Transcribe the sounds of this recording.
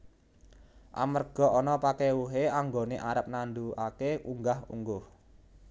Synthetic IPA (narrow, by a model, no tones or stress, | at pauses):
ʔa̰mərɡ̥ɔ̤ɔnɔpakewuɦeaŋɡoneʔaɾəp̚nand̪uakeuŋɡahṵŋɡʊh